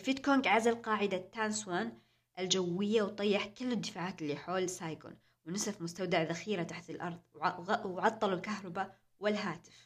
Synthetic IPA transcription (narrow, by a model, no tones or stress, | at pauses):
fit̪koŋɡʕazalqɑːʕɪd̪at̪ːaːnswaːn | ʔɪld͡ʒawːɪjːawt̪ˤɑjːɪħkɪlːɪd̪ːɪfaːʕaːt̪ɪlːiːħoːlsaːjɡʊ̰n | wnɪsafmʊst̪awd̪aʕðaxiːɾat̪aħt̪ɪlʔɑɾˤðˤwʕɣʕɑt̪ˤːɑlulkaɦɾˤɑba | wɪlɦaːt̪ɪ̥f